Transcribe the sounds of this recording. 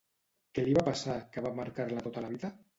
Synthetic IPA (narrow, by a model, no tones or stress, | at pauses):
keliβapasakeβamaɾkaɾlat̪ot̪alaβ̞iða